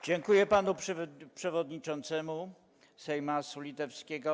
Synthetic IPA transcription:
d͡ʑɛŋkujɛpanupʂpʂɛvɔd̪ɲit͡ʂɔnt̪sɛmu | sɛjmasulʲit̪ɛfskʲeɡɔ

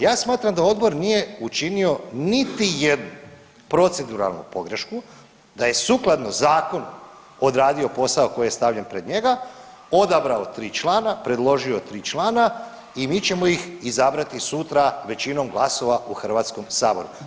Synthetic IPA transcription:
jaːsmaːt̪ɾamd̪ao̞d̪bo̞ɾnije̞ut͡ʃinio̞nit̪ijed̪nu | pɾo̞t̪sed̪uɾa̰lˠnṵpo̞ɡɾeʃku | d̪aje̞suklˠad̪no̞zaːko̞n | o̞d̪ɾaːd̪io̞po̞saoko̞jijest̪aʋʎenpɾe̞d̪ɲe̞ɡa | o̞d̪abɾaot̪ɾiːt͡ʃlˠaːnapɾe̞d̪lˠo̞ʒio̞t̪ɾiːt͡ʃlˠaːna | imiːt͡ɕe̞mo̞jixizabɾat̪isut̪ɾaʋe̞t͡ɕino̞mɡlˠaso̞ʋauxr̩ʋat̪sko̞msaːbo̞̰ɾu

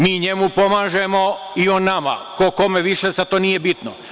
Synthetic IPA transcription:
miːɲe̞mupo̞maːʒemoionːama̰koko̞meʋiʃesat̪oːnije̞bit̪no̰

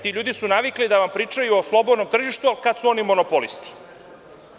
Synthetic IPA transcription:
t̪iʎuːd̪isunaʋiklid̪aʋampɾiːt͡ʂajuoslˠo̞bo̞d̪no̞mt̪r̩ʒiʃt̪ualikad̪suo̞nimo̞nopolist̪i̥

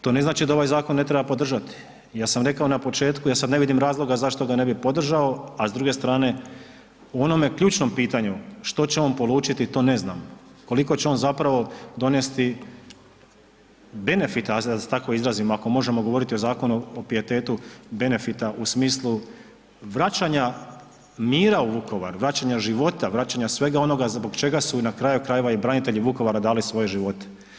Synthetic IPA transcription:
t̪o̞ːne̞znaːt͡ʃid̪ao̞ʋajzaːko̞nːe̞t̪ɾebapo̞d̪r̩ʒat̪i̥ | jaːsamɾe̞kaonapo̞t͡ʃe̞ːt̪kujaːsad̪neʋid̪imɾaːzlˠo̞ɡazaʃt̪o̞ɡane̞bipo̞d̪r̩ʒao̞azd̪ɾuɡe̞st̪ɾaːne̞ | uo̞no̞mekʎuːt͡ʃno̞mpiːt̪aɲuʃt̪o̞t͡ɕeo̞npo̞lˠuːt͡ʃit̪it̪o̞ːne̞zna̰ːmko̞liko̞t͡ɕeo̞nzapɾaʋo̞d̪o̞nest̪i | be̞ne̞fit̪asd̪at̪akoizɾaːzimoako̞mo̞ʒe̞mo̞ɡo̞ʋo̞ɾit̪iozaːko̞nuopije̞t̪e̞ːt̪ube̞ne̞fit̪aʔusmiːslˠu | ʋɾat͡ɕaɲa | miːɾauʋukʰo̞ʋaɾuʋɾat͡ɕaɲaʒiʋo̞t̪aʋɾat͡ɕaɲasʋe̞ɡao̞no̞ɡazbo̞ɡt͡ʃe̞ɡasunakɾaːjukɾaje̞ʋaibɾanit̪e̞ʎiʋuko̞ʋaɾad̪aːlisʋo̞je̞ʒiʋo̞t̪e̥

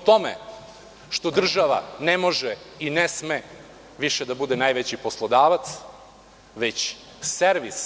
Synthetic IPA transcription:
t̪o̞mḛ | ʃt̪o̞d̪r̩ʒaʋa̰nemo̞ʒeinesme | ʋiʃɛd̪abud̪enajʋet͡ɕipo̞slˠod̪aːʋat̪s | ʋet͡ɕ | seɾʋis

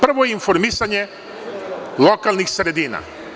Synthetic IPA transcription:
pr̩ʋojeinfoɾmisaɲe | lokalˠnixsɾed̪iːna̰

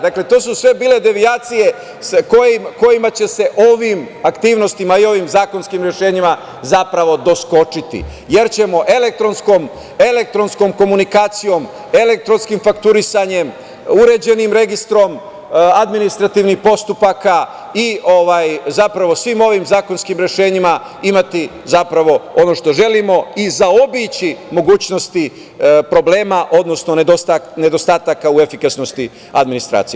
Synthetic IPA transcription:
d̪akle̞t̪o̞ːsusʋe̞biːle̞d̪e̞ʋiaːt̪sije̞ | skojimko̞jimat͡ɕe̞se̞ʔo̞ʋim | akt̪iːʋno̞st̪imaio̞ʋimzaːko̞nskimɾje̞ʃe̞ːɲima | zapɾaʋo̞d̪o̞sko̞t͡ʂit̪ḭ | je̞ɾt͡ɕe̞mo̞ʔe̞lek̚t̪ɾo̞nsko̞m | e̞le̞k̚t̪ɾo̞nsko̞mko̞munikaːt̪sijo̞m | e̞lek̚t̪ɾo̞nskimfakt̪uɾisaɲe̞m | uɾe̞d͡ʑe̞nimɾe̞ɡist̪ɾo̞m | ad̪minist̪ɾat̪iʋnixpo̞st̪upaka | io̞ʋajzapɾaʋo̞sʋimo̞ʋimzaːko̞nskimɾe̞ʃe̞ːɲima | imat̪i | zapɾaʋo̞o̞no̞ʃt̪o̞ʒe̞limo̞izao̞bit͡ɕimo̞ɡuːt͡ɕno̞st̪i | pɾo̞ble̞ːmaʔo̞d̪no̞sno̞neot̪ane̞d̪o̞st̪aːt̪akaue̞fikasnost̪i | a̰d̪minist̪ɾa̰ːt̪sij

